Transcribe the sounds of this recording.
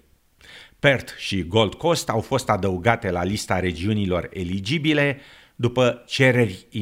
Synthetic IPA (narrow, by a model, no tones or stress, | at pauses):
pe̞rt̪ʃiɡo̞ld̪ko̞st̪awfo̞st̪ad̪əuɡat̪e̞lalist̪aɾe̞d͡ʒiunilo̞̰re̞lid͡ʒibile̞ | d̪upət͡ʃe̞ɾe̞rʲi